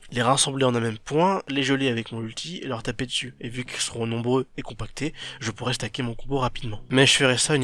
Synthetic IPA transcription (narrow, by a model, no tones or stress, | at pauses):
leʁasɑ̃bleɑ̃nɛ̃mɛmpwɛ̃leʒəleavɛkmɔ̃ylt̪ʰiḛlœʁt̪aped̪əsyevykʲilsəʁɔ̃nɔ̃bʁøekɔ̃pak̚t̪ʰeʒəpuʁɛst̪akʲemɔ̃kɔ̃boʁapid̪mɑ̃mɛʒəfəʁɛsayn